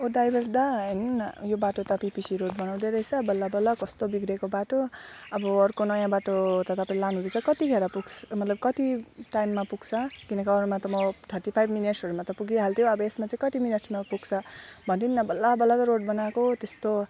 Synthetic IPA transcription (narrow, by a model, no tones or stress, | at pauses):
oɖajbʌrd̪ʌʌnjobaʈot̪ʌpipisiɾoʈ̚bʌnaw̃d̪eɾʌɦjt͡sʰʌbʌlːabʌlːakʌst̪obiɡɾekobaʈoʌbʌːrkonʌjãbaʈot̪ʌt̪ʌpaillanũd̪et͡sʰʌkʌt̪iɡʱeɾapuɡmʌt̪lʌb̚kʌt̪iʈajmːapuɡt͡sʰʌkinʌkaʌɾumat̪ʌmʌt̪ʰʌrʈipʰajbmineʈsʌɾumat̪ʌpuɡiɦalt̪ʰjõʌbʌesmat͡sãĩkʌt̪imineʈsmapuɡt͡sʰʌbʱʌnt̪inːʌbʌlːabʌlːat̪ʌɾoɖbʌnakot̪est̪o